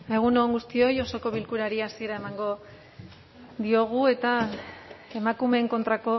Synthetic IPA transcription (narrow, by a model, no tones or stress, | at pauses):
e̞ɣ̞unoŋɡust̪io̞jo̞so̞ko̞βilkuɾaɾiasieɾae̞maŋɡo̞ | ðio̞ɣ̞ue̞t̪a | e̞makume̞ːŋko̞nt̪ɾako̞